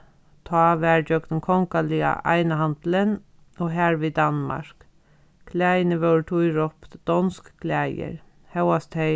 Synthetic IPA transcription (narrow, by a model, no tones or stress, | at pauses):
t̪ʰɑːʋæɹd͡ʒœɡnənkʰɔŋkalia̰ʔa̰jnəɦand̪lən | oːɦæːɹʋid̪anma̰ɹ̥k | kʰlæːjnɪʋœwɹʈʰujɹɔp̪d̪̥ɔnskkʰlæːjə̰ɹ | hɛwast̪hɛ